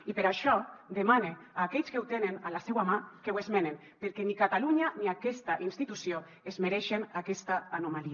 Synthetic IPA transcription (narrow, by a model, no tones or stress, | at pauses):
ipeɾaʃɔd̪emaneaːkɛʎskewt̪enenalasɛwamakewezmenem | peɾkenikat̪aluɲaniakɛst̪aʔinst̪it̪usjo | ezmeɾɛʃenakɛst̪aanomali